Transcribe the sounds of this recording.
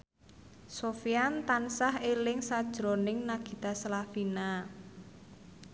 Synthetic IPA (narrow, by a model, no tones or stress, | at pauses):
sofiant̪ansaɦelɪŋsad̥ʒ̥ɾonɪŋnaɡ̥i̤t̪aslafina